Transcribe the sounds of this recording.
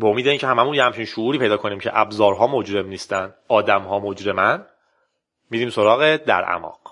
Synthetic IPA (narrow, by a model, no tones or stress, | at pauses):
beomiːd̪eiːncʰeɦæmæmunjehæmt͡ʃʰiːnʃouːɾiːpʰe̞jd̪ɒːkʰo̞niːmcʰeʔæbzɒːɾɦɒːmo̞d͡ʒɾe̞mniːst̪æn | ɒːd̪æmɦɒːmo̞d͡ʒɾe̞mæn | miːdiːmso̞ɾɒːɣed̪æ̰ɾʔæ̰mɒ̰ːq